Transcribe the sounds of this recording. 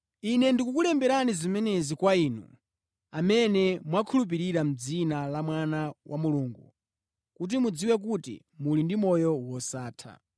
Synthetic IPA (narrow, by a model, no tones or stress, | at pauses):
inɛndikukulɛmbɛɾanizimɛnɛzikwaiːnṵ | amɛnɛmwakʰulup̬iɾiɾam̩d͡zinalamwanawʔamuluːŋɡu | kut̬imud͡ziwɛk̬utḭ | mulindimɔjɔwɔsaːtʰa̰